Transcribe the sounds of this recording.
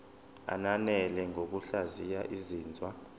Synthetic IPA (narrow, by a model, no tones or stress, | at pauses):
a̰nanɛlɛŋʱok̬uɬazijaʔiziːnd͡zʱwa